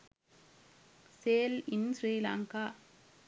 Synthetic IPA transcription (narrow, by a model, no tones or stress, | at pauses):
seːlɪnsɾiːla̰ːŋkaː